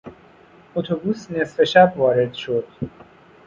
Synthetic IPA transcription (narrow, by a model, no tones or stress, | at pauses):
ot̪ʰobuːsne̞sfe̞ʃæbvɒːɾe̞d̪ʃo̞d̪̥